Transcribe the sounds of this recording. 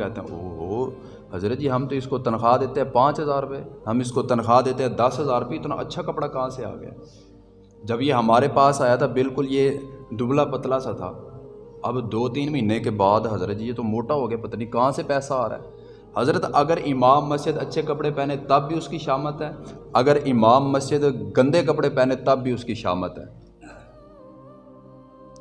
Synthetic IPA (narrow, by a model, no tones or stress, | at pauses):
ɛːt̪eɦɛ̰̃oːɦoː | ɦɐzɾət̪̚d͡ʒiːɦɐmt̪oɪskot̪ənxaːd̪eːt̪eɦɛ̃pãːt͡ʃɦəzaːɾpeɦɐmɪskot̪ənxaːd̪eːt̪ẽɦɛ̃d̪ɐsɦəzaːɾpit̪ʰna̰ʔə̰tːʃʰakəpɽakɐɦãsea̰ːɡəja̰ː | d͡ʒɐbjeɦɐmaːɾepaːsaːjat̪ʰabɪlkʊljed̪ʊblapət̪lasat̪ʰa̰ːɐbd̪oːt̪iːnməɦĩːnekebaːd̪ɦɐzɾət̪d͡ʒijeːt̪omoːʈaɦoːɡəjapɐt̪anikɐɦãsepɛːsaaːɾa̰ːɛː | hɐzɾət̪ɐɡəɾʔɪmaːmːəsd͡ʒɪd̪ətːʃʰekɐpɽepɛːnet̪ɐbːiʊskiʃaːmət̪ɦɛːɐɡəɾʔɪmaːmːəsd͡ʒɪd̪ɡɐ̃nd̪ekəpɽepɛːnet̪ɐbːiːʊskiʃa̰ːmət̪ɦɛ̰ː